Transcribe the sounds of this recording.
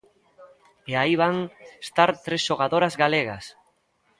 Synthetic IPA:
eaiβ̞aŋest̪aɾt̪ɾesʃoɣ̞aðoɾazɣaleɣ̞a̰s

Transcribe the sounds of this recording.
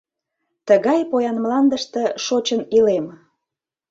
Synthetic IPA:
t̪əɣɑjpojɑnmlɑnd̪əʃt̪ĕʃot͡ɕənilem

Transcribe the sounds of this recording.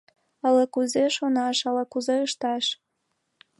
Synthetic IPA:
ələkuzeʃonɑʃəlɤ̆kuzeəʃt̪ɑʃ

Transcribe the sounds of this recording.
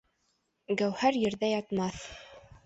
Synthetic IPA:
ɡæwhæɾjɘ̆ɾðæjɑt̪mɑθ

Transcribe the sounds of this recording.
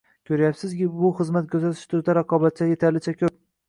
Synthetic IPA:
kʲʰɵɾajapsɪzʲbʊχɨzmat̪̚kʲʰɵɾzat̪ʰɪ̥ʃt̪ʰʊɾd̪aɾaqʰɒbat̪̚t͡ʃʰaje̞t̪ʰaɾlɪt͡ʃʰakʲɵp̚

